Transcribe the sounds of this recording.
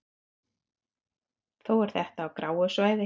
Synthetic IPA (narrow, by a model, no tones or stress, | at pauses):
θowɛɾ̥θɛht̪aːwkɾʔaːwʏsvaːjðɪ